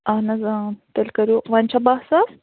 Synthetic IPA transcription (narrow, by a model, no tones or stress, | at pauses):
ɐnɐzt̪elʲkɐɾjoʋaːnʲt͡ɕʰabaɦsa